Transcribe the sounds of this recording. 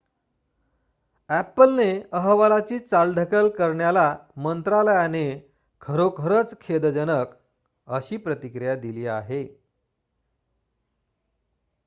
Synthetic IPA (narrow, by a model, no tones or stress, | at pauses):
æpːəlneəɦʋalat͡ɕiːt͡salɖʱəkəlkəɾɳjalamənt̪ɾaləjane | kʰəɾokʰəɾət͡skʰed̪d͡ʑənək | əɕiːpɾət̪ikɾijad̪iliːaɦe